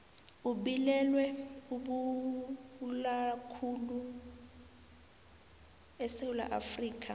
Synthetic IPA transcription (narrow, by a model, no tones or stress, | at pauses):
uɓilɛlwɛuɓu | lakʰulu | ɛsewula̰ʔa̰friːkʰʼa